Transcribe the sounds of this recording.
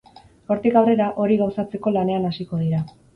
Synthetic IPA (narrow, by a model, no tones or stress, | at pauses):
o̞ɾt̪ikawre̞ɾaʔo̞ɾiɣawsat͡se̞ko̞lane̞anasiko̞ð̞iɾa